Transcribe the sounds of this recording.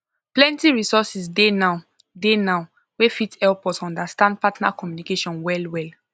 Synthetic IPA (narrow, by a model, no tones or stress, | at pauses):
plɛ̃ntiɹisɔsisdena | denaʊ | wefitɛlpɔtsɔ̃ndastãnd̚patna̰kɔmjunikeʃɔ̃nwɛlwɛl